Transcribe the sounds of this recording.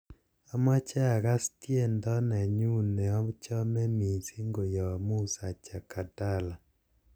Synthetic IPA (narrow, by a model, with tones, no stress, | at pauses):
a˦ma˦t͡ʃa˦a˨ka˦stje˦˨ndɔ˦na˨ɲu˦nɛ˨ɔ˦t͡ʃɔ˦mɛ˦mi˨si˦ŋɡo˨jɔ˨mu˦sa˨t͡ʃa˨ka˨ta˦˨la˨